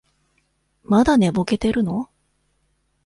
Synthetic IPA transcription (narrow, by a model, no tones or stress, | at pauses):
mad̪ane̞bo̞ke̞t̪e̞ɾɯ̟no̞